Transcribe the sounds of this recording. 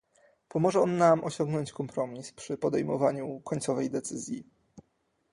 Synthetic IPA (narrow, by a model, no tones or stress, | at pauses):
pɔmɔʐɛɔnːamʔɔɕɔŋɡnɔɲt͡ɕkɔmpɾɔmʲispʂɘpɔd̪ɛjmɔvaɲukɔɲtsɔvɛjd̪ɛt̪sɘzʲji